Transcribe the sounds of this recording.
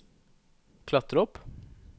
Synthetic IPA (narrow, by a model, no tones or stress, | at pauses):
kʰlɑt̪əɾɔp